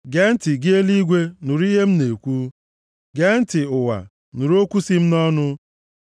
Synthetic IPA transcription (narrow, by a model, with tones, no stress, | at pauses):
ɡe˦n̩˦tɪ˨ɡɪ˦e˦li˦ɡʷe˦nʊ˨ɾi˦ɦe˦m̩˦ne˨kʷu˦ | ɡe˦n̩˦tɪ˨ʊ˨wa̰˨ | nu˨ɾo˦kʷu˦si˦m̩˦nɔ˦nʊ˦